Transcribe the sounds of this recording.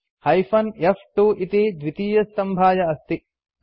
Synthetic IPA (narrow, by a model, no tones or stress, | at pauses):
hɐjfɐnefʈuʔit̪id̪ʋit̪iːjɐst̪ɐmbʱaːjɐɐst̪i